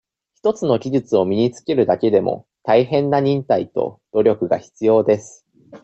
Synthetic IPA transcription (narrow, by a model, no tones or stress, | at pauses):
çi̥t̪o̞t͡sɨno̞ɡʲiʑɨt͡sɨo̞mʲiɲ̟it͡sɨ̥ke̞ɾɯ̟d̪ake̞d̪e̞mo̞̰ | t̪aiɦẽ̞nːaɲ̟ĩnt̪ait̪o̞̰d̪̥o̞ɾʲo̞kɯ̟ɡa̰çi̥t͡sɨjo̞ːd̪e̞sɨ̥